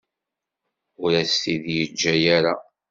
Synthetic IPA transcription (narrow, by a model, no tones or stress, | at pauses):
ʊɾæsθiðjəd͡ʒːæjæɾa